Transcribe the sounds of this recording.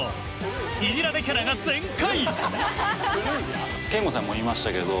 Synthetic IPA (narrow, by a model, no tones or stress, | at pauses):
nʲiʑiɾad̪ekʲaɾaɡat͡sẽŋkai | kẽmɡosãmːoimaɕi̥t̪ake̞d̪o